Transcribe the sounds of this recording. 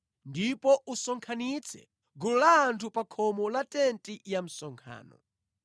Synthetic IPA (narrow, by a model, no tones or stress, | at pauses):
ndipɔʔusɔŋkʰanit͡sʰɛ̰ | ɡululaːntʰupakʰɔmɔlatɛntijam̩sɔŋkʰa̰ːnɔ̰